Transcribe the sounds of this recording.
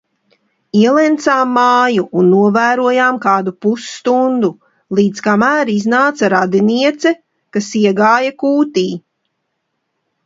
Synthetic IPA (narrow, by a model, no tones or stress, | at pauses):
iɛlˠɛnt̪saːmːaːjuʔːnːuɔvæːɾuɔjaːmkaːd̪upusːt̪und̪u | lˠiːd̪skamæːɾiznaːt̪saɾad̪iniɛt̪sɛ | kasiɛɡaːjakuːt̪iː